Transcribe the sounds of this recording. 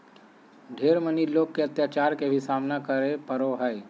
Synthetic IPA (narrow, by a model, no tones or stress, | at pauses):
ɖʱeːɾməniloːkkeɐt̪jaːt͡ʃaːɾkebʱisaːmnakəɾepəɾoɦɛj